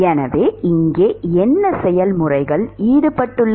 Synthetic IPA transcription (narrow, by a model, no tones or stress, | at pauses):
ɛnɐʋeːɪŋɡeːɛnːɐsɛjɐlmʊrɐɪɣɐɭiːɽɯpːɐʈːɯɭː